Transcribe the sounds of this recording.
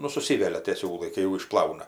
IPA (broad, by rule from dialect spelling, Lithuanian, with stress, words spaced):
nʊ sʊˈsʲɪʋʲɛlʲɛ tʲeː ˈsʲuːlˠɐɪ kɐɪ jɛʊ ɪʃˈplˠɐʊnɐ